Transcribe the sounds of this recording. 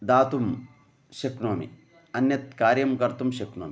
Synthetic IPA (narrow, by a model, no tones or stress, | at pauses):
d̪aːt̪um | ʃɐknoːmḭ | ɐnjɐt̪kaːɾjɐmkɐɾt̪umʃɐkno̰ːmi